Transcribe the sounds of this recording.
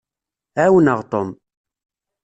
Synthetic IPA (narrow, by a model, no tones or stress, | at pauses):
æwənəʁt̪ˤom